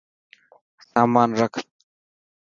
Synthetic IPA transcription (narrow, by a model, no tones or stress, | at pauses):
saːmaːnɾək̪ʰ